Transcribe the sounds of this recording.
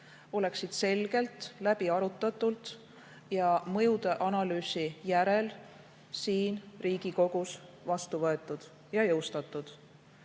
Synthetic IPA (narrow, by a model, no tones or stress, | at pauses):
o̞le̞ksid̪̥se̞lɡ̥e̞lt̪ˑlæb̥iɑɾut̪ːˑɑt̪ːˑult̪ | jɑmɤjud̪̥eʔɑnɑlyːsijæɾel | siːnriːɡ̥iko̞ɡ̥usvɑst̪uvɤe̞t̪ːˑud̪̥ | jɑjɤwst̪ɑt̪ːˑud̪̥